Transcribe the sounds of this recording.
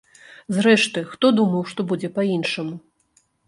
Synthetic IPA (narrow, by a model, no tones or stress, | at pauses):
zɾɛʂt̪ɨxt̪ɔd̪umɐwʂt̪ɔbud͡zʲɛpainʂɐmu